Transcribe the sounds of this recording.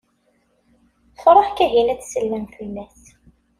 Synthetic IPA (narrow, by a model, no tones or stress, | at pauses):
fɾˤɑħkæɦilæt͡sːsəlːænθinːæs